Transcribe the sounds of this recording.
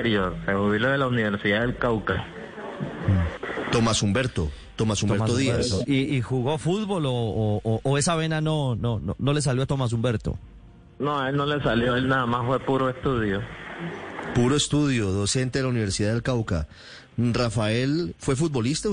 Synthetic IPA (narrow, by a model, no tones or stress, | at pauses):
ɾjoɾsehuβiloðelauniβe̞ɾsiðaðelkawka | t̪o̞masumbe̞ɾt̪o̞ | t̪omasumeɾt̪oðia̰siixuɣo̞fuð̚bo̞loːʔːe̞saβe̞nanonono̰no̞le̞s̬aljoat̪omas̬umbe̞ɾt̪o̞̰ | noelno̞le̞saljoelnaðamasfwe̞puɾoest̪uðjo | puɾoest̪uðjo̞ðo̞se̞nt̪eðelauniβ̞e̞ɾsiðaðelkawka̰ | rafae̞lfwe̞f̬ut̪̚bo̞list̪a